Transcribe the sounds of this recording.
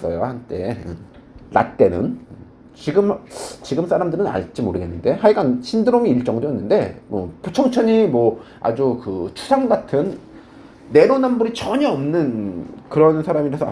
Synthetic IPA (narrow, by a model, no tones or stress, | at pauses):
s͈ʌjohant͈e̞ɯ | na̰t̚t͈e̞nɯ̰n | t͡ɕiɡɯmt͡ɕiɡɯms͈ʰaɾamdɯɾɯna̰ɭt͡ɕ͈imoɾɯɡe̞nːɯnde̞ɦad͡ʑiɡanɕʰindɯɾomiːɭt͡ɕ͈ʌŋdonːɯnde̞mwʌ̰pot͡ɕʰʌŋt͡ɕʰʌɲimwʌ | a̰d͡ʑukɯt͡ɕʰu̥sʰaŋɡatʰɯnː | e̞ɾonambuɾit͡ɕʌɲaʌmnɯnkɯɾʌnsʰaɾamiɾesʰʌ